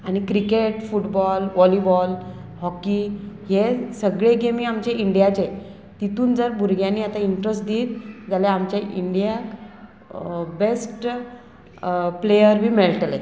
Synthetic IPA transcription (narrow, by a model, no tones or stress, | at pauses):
aɽ̃ikɾikeʈfuʈbɔlʋɔlibɔl | hɔkiɦesəɡɭeɡemiamt͡ɕeiɳɖjat͡ɕe | t̪it̪uːnd͡zəɾbʱuɾɡʱjãnːiːat̪aiɳʈɾəsʈd̪iːt̪̚d͡zaljaamt͡ɕjaʔiɳɖijak | besʈ | plejəɾbʱiːmeɭʈle